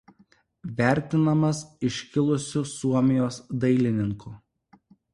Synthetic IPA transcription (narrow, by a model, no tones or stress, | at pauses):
ʋʲæˑɾʲˑt̪ʲɪnɐmɐsɪʃʲkʲɪlˠʊsʲʊsuɔmʲɪjoːsd̪ɐɪlʲɪnʲɪŋkʊˑ